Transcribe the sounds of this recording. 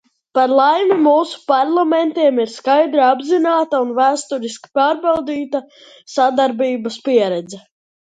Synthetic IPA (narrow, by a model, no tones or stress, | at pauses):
paɾlˠajmimuːsu̥paɾlˠamɛnt̪iɛmiɾskajd̪ɾiabzinaːt̪aunvæːst̪uɾiski̥paːɾbalˠd̪iːt̪a | sad̪aɾbiːbɐspiɛɾɛd̪zɛ